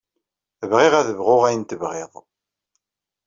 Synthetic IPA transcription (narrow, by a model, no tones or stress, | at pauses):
əvʁeʁæðəvʁʊʁæjənt̪əvʁeðˤ